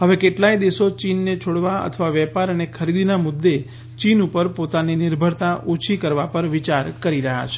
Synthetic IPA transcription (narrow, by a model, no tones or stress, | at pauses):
ɦəʋekeʈlajd̪eʃot͡ʃinːet͡ʃʰoɽʋaə̰t̪ʰəʋaʋɛpaɾənekʰəɾid̪inamʊd̪ːe | t͡ʃinupəɾpot̪aninɪɾbʱəɽt̪aʔot͡ʃʰikəɾʋapəɾʋit͡ʃaɾkəɾiɾəɦa̰t͡ʃʰe̥